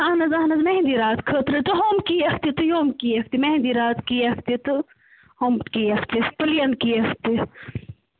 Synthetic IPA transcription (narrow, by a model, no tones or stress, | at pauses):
ɐhnɐzɐɦnɐzmeɦĩnd̪iɾaːt̪kʰət̪ɾɨt̪ɨɦomkiɐkt̪it̪ɨjoːmkiɐkt̪imeɦĩnd̪iɾaːt̪kiɐkʰt̪it̪ɨ | homkiːɐkʰt̪isp̪ɨlijɐnkiɐkʰt̪i